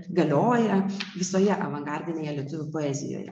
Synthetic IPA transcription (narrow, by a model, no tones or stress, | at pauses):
ɡɐlʲoːjɛʋʲɪsoːjɛʔɐʋɐŋɡɑɾʲd̪ʲɪnʲeːjɛlʲiɛt̪ʊʋʲʊpoːɛzʲɪ̰jo̰ːjɛ̰